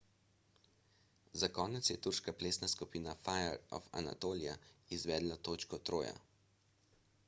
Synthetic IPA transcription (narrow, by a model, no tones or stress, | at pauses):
zakɔːnɛt̪sjɛt̪uɾʃkapleːsnaskupiːnafajɛɾɔ̰fa̰na̰t̪oːlija̰izʋɛːd̪lat̪oːt͡ʃkɔt̪ɾoːja̰